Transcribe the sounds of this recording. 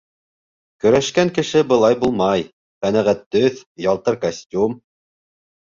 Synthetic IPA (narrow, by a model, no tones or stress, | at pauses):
kɵ̆ɾæʃkæŋkɘ̆ʃɘbɤ̆lˠɑjbulˠmɑj | qænæʁæt̪ːɵθjɑlˠt̪ɤɾkɐsʲtʲum